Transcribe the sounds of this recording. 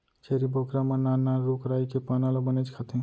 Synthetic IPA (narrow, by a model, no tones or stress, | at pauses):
t͡ʃʰeɾibokɾamananaɾukɾajkepanalabənet͡ʃʰkʰat̪ʰĩ